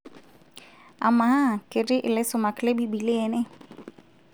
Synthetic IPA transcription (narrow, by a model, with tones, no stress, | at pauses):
a̰˨ma˨˦a˦˨kɪ˨ɾɪ˦ʔɪ˨lɛ˦sʊ˨ma˨kle˦bi˦bi˨lɪ˦ɛ˨nɛ˦